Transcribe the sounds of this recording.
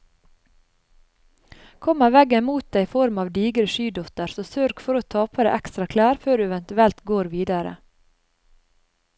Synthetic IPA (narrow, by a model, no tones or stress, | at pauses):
kʰɔmɑʋɛɡəmuːt̪̚d̪eɪiːfɔɾmɑːʋd̪iːɡɾəʃyːd̪ɔt̪əɾsoːsøːɾkfɔɾoːt̪ʰɑːpʰəɾə̰ʔækst̪ɾɑkʰlæːɾføːɖʉːɛʋɛnt̪ʉɛlt̪ɡoːɾʋiːd̪ɑɾə̰